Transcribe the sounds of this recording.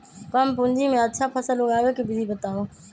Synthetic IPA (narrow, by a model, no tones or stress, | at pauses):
kəmpʊnd͡ʒiːmẽːətːʃʰaːpʰəsəlʊɡaːʋeːkibɪzʱiːbət̪aːʋõː